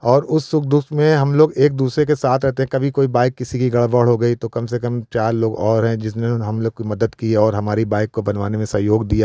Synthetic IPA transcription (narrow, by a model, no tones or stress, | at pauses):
ɔːɾʊsːʊk̚ʰd̪ʊmẽɦɐmloːɡeːk̚d̪uːsɾek̬esaːt̪ʰɾɛɦt̪eɦɛ̃kɐbʱikoːibaːɪkːɪsikiɡɐɭbəɽ̤ɦoɡɐit̪okɐmsekɐmt͡ʃaːɾloːɡɔːɾɦɛ̃d͡ʒɪsneɦɐmloːɡkimɐd̪əd̪kiɔːɾɦɐmaːɾibaːɪkːobɐnʋaːnemẽsɐɦjoːɡd̪ijaː